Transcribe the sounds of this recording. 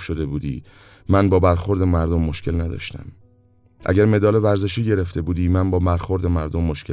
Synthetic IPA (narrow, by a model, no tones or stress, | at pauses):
ʃo̞d̪e̞buːd̪ḭː | ænbɒːbæɾxoɾd̪e̞mæɾd̪omːoʃkcʰe̞lnæd̪ɒ̰ːʃt̪æ̰m | ʔæ̰ɟæɾme̞d̪ɒːlevæɾze̞ʃiːɟe̞ɾeft̪e̞buːd̪iːmænbɒːmæɾxo̞ɾd̪emæɾd̪omːoʃke